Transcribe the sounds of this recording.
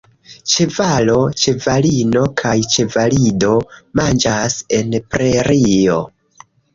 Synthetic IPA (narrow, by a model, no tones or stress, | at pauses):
t͡ʃe̞valo̞t͡ʃe̞valino̞kʰajt͡ʃe̞valido̞mand͡ʒase̞npɾe̞ɾio̞̰